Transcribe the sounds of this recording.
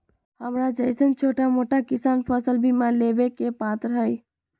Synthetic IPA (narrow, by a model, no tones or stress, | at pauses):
həmɾad͡ʒəɪsənt͡ʃʰoʈamoʈakisaːnpʰəsəlbʱimalebekepat̪ɾɦəj